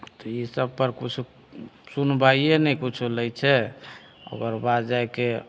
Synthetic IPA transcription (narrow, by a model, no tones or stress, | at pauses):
t̪ɔisəbpəɾkut͡ʃʰu | sunbaienɛkut͡ʃʰuləjt͡ʃʰɛ | o̰ɡəɾbad̪d͡ʒaeke